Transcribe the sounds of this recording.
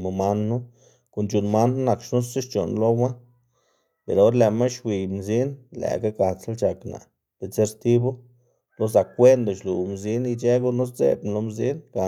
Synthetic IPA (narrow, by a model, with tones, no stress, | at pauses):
mo˧ma˦nːu˦ | ko˧˨nt͡ʃu˨nma˦n˦na˨kʃnu˦sse˦ʃt͡ʃo˨nlo˦wa˦ | pe˨ɾo˦ɾle˨ma˦ʃwi˨jmzi˦nlæ̰˨ɡa˦ka˨sa˦lt͡ʃa˨kna̰˨ | d̪̥e˨t͡se˦ɾst̪i˦bo˦ | lo˦z̬a˨kʷːe˦nd̪o˨ʃlu˨mzi˦ni˧t͡ʃe˦ɡu˦no˦s̬zḛ˨bnlo˧mzi˦nɡa˨